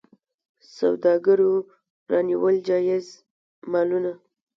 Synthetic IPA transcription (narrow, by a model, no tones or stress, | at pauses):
sa̰wd̪ɑɡəɾo | ɾɑniwəld͡ʒɑjɪz | mɑluna